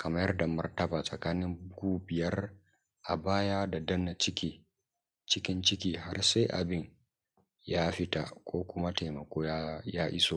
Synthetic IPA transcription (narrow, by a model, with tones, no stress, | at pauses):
kʰɐ˨ma˦jɐ˦rda˨mɐ˦rtɐ˦baː˨sʼɐ˨kaː˦nɪ˦mbɡuː˦bɪ˨jɐ˦r | ʔa̰˨baː˦jaː˦da˨dɐ˦na˨t͡ʃɪ˦kʲiː˦˨ | t͡ʃɪ˦kʲɪ˦nt͡ʃɪ˦kʲiː˨ɦa˦rsa˦jʔa̰˨bɪ˦ɲ | jaː˦ɸɪ˦ta˨kʷʼoː˦kʷʊ˦ma˦te˨mɐ˨kʷoː˦ja˦jaː˦ʔɪ˦soː˨